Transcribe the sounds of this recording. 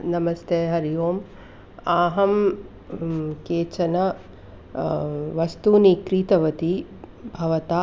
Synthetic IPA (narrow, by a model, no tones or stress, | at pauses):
nɐmɐst̪eːɦɐɾijoːm | aːɦɐm | keːt͡ʃɐnɐ | ʋɐst̪uːnikɾiːt̪ɐʋɐt̪i | bʱɐʋɐt̪aː